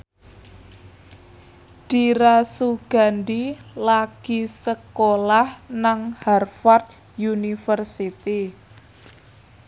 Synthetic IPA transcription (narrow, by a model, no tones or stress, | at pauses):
ɖ̥iɾasuɡ̥a̤ndilaɡ̥isəkolahnaŋharfart̪ | junifərsit̪i